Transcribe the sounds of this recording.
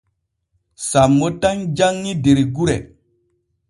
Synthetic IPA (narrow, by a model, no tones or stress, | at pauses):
samːotaŋd͡ʒaŋːideɾiɡuɾe